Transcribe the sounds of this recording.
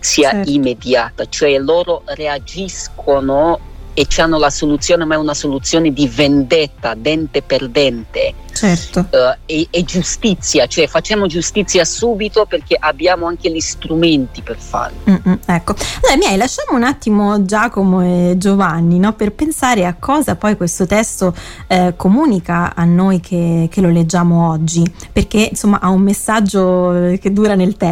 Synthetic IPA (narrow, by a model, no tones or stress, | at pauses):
siaimːed̪jaːt̪at͡ʃoɛloːɾoread͡ʒiskʰono | et͡ʃːianːolasolut̪sːjoːnemaɛunasolut̪sːjoːned̪ivend̪ɛt̪ːad̪ɛnt̪eperd̪ɛnt̪e | t͡ʃɛrt̪oɛɛd͡ʒust̪it̪sːjat͡ʃoɛfat͡ʃːaːmod͡ʒust̪it̪sːjasuːbit̪operk̟eʔabːjaːmoaŋk̟eʎist̪ɾument̪iperfa̰ːɾ̩ɛkːoaloɾamiɛjlaʃːaːmounat̪ːimod͡ʒaːkomoed͡ʒovanːinɔperpensaːɾeakʰːɔːzapɔjkwest̪ot̪ɛst̪o | komuːnikaanːojk̟ʰek̟elːoled͡ʒːaːmoɔd͡ʒːi | perk̟einsomːaʔaumːesːad͡ʒːok̟ed̪ːuːɾanelt̪ɛ